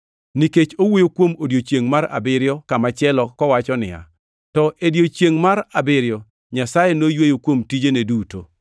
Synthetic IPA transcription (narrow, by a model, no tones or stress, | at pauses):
niket͡ʃowojokwomodjot͡ʃjeŋmaɾa̰bɪɾjɔkamat͡ʃɪɛlɔkɔwat͡ʃɔnɪ̰ja̰ | tɔʔedjot͡ʃjeŋmaɾabɪɾjɔ | ɲasajɛnojwejokwomtid͡ʒeneduto